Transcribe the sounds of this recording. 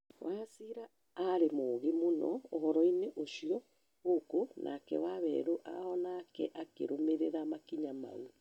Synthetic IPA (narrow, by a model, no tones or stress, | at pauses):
wʔasiɾaː | ɾemoɣemonɔ̰ohɔɾɔineʔoʃiɔ | ɣokonʔa̰kɛ̰waβɛ̰ɾoʔa̰ɔnaːkɛʔakḛɾomeɾeɾamakiɲama̰u